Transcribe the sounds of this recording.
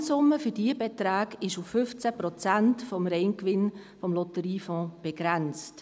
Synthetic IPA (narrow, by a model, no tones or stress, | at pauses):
sʊmːəfʏdiəbetɾaːɡɪʃufːʏft͡sæprɔt͡sæntfɔmɾɛɪnkʋɪn | fɔmlɔtəɾiːfɔ̃ːb̥eɡ̥ɾɛnt͡st